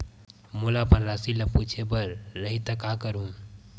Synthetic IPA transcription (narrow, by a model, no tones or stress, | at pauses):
mulapəɾɾasiləput͡ʃʰebəɾːəɦit̪əkakəɾɦũ